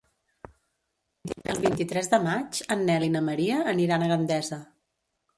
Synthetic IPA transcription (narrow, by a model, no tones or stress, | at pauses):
əlˠβint̪it̪ɾɛzðəmat͡ʃənːɛlinəməɾiəːniɾanəɣənd̪ɛzə